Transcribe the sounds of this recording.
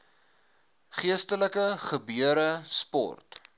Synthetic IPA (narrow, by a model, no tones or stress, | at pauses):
χiəstələkəχəbyəɾəspɔ̰rt